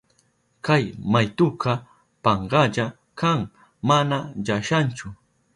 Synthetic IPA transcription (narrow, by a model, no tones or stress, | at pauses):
kajmajt̪ʊkʰɑ | pɑɴɢɑʎa | kaŋ | manaʎaʃant͡ʃʊ